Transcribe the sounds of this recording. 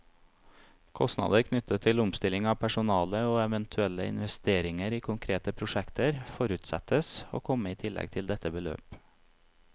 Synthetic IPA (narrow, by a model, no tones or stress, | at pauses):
kʰɔst̪nɑ̰d̪əɾkʰnʏt̪ət̪ʰɪlʊmst̪ɪlɪŋɑːʋpʰæʃʊnɑːləoːɛʋɛnt̪ʰʉɛləɪ̰nʋɛst̪eːɾɪŋəɾiːkʰʊŋkʰɾeːt̪əpʰɾʊʃɛkt̪əɾfɔɾʉːt̪sɛ̰t̪əso̰ːkʰɔməiːt̪ʰɪlʔɛ̰ɡ̚t̪ʰɪld̪ɛt̪əbəlø̰ːp